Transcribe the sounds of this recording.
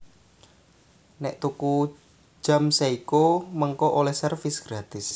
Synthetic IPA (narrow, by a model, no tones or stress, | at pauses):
nɛʔt̪uku̥ | d͡ʒ̥amseikuməŋkɔʔolɛhsərfɪsɡ̥ɾat̪ɪs